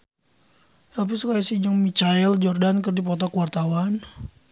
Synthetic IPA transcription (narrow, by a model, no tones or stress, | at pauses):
apisukajasid͡ʒaŋmit͡ʃaɛld͡ʒɔrdankɨrdipɔt̪ɔkuwart̪awan